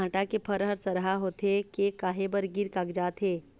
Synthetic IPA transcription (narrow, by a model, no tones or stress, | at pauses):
ãːʈakepʰɐɾɦəɾsɐɾɦaɦoːt̪ekekaːɦebəɾɡɪɾkaɡd͡ʒaːt̪ɦeː